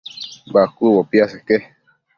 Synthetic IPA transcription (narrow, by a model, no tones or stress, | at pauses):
bakuwopiaseke